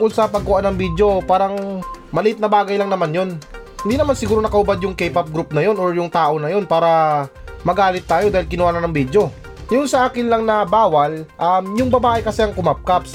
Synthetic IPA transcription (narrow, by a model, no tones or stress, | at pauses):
ʊŋkolsɐpɐɡ̚kʊʔanːɐŋbid̪jo̞paːɾɐŋmɐlɪʔɪt̪̚nɐbaːɡɐjlɐŋnɐmanjo̞n | hɪnd̪iːnɐmansɪɡuːɾoɐkɐʔʊbad̪jʊŋkɛjpɐp̚ɡɾup̚nɐjo̞noɹjʊŋt̪aːʔo̞nɐjo̞npaːɾɐmɐɡaːlɪt̪ːaːjod̪aːhɪlkɪnʊwaːnɐnɐŋbid̪jo̞ | jʊnsɐʔaːkɪnlɐŋnɐbaːwɐlʔamjʊŋbɐbaːʔɛkɐsɛɐŋkʊmap̚kaps